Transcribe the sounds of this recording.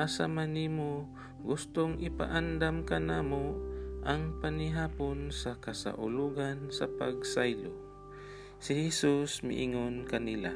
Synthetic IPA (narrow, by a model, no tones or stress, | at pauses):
asamanimo | ɡʊst̪oŋʔɪpa̰ʔand̪amkanaːmoʔaŋpanɪɦaːponsakɐsa̰ʔʊ̰luɡansa̰paɡsajlo | sɪhɛsusmɪ̰ʔɪŋonkɐnɪla̰